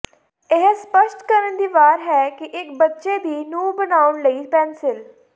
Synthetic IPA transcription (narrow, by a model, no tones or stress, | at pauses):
ɪɦspəʃʈkəɾənd̪iːʋaːɾɦɛːkɪʔɪkbətːʃeːd̪iːnuːbənaːʊɳləiːpɛ̃ːnsɪl